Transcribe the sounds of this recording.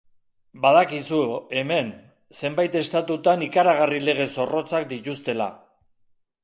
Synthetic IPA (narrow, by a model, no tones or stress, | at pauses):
baðakisue̞me̞n | se̞mbajt̪e̞st̪at̪ut̪anikaɾaɣ̞arile̞ɣ̞e̞so̞ro̞t͡sak̚d̪it̪ust̪e̞la̰